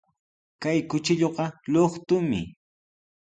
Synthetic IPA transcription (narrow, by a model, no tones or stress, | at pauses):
kajkʊt͡ʃɪʎoqɑloχt̪ʊmɪ̰